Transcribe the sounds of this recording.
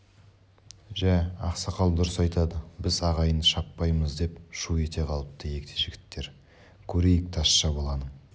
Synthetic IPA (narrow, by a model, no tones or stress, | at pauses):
ʒæɑ̰qsɑqʰɑlˠd̪ʊɾəsɑjt̪ɑd̪əbɪzɑʁɑjənʃɑpːɑjməzd̪e̞pʃue̞t̪ʰe̞qʰɑlˠəp̚t̪ʰəje̞kt̪ʰeʒɪɡʲɪ̥t̪ːe̞ɾ | kʲʰɵɾe̞jɪk̚t̪ʰɑʃʃɑbɑlˠɑnəm